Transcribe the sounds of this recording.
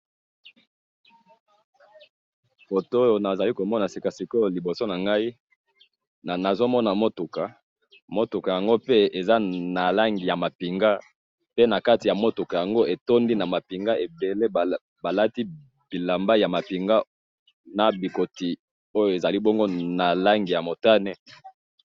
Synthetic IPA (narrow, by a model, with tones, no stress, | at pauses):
fo˨to˦jo˨na˨za˨li˦ko˨mɔ˦na˨si˨ka˨si˨ko˦jo˨li˨bo˨so˦na˨ŋɡa˦i˦˨ | na˨zo˦mɔ˦na˨mo˦tu˨ka˨ | mo˦tu˨ka˨ja˨ŋɡo˦pe˦e˨za˦na˨la˦ŋɡi˨ja˨ma˨pi˨ŋɡa˦ | pe˦na˨ka˦ti˨ja˨mo˦to˨ka˨ja˨ŋɡo˦ʔe˨to˦ndi˦na˨ma˨pi˨ŋɡa˦e˨be˨le˦˨ | ba˨la˦ti˦ | b̥i˨la˨mba˦ja˨ma˨pi˨ŋɡa˦ | na˨bi˨ko˨ti˨ | o˦jo˨e˨za˨li˦bɔ˦ŋɡo˦na˨la˦ŋɡi˨ja˨mo˨ta˦ne˦